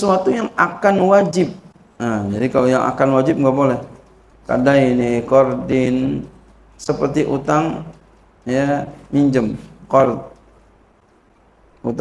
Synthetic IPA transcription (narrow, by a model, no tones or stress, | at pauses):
suat̪ujaŋakanwad͡ʒɪp̚ | əd͡ʒadikalojaŋa̰kanwad͡ʒɪp̚ŋɡaʔbolɛh | ka̰dainikɔrdɪn | səpərt̪iʔṵt̪aŋ | jamiɲd͡ʒəmkɔrt̪̚ | ut̪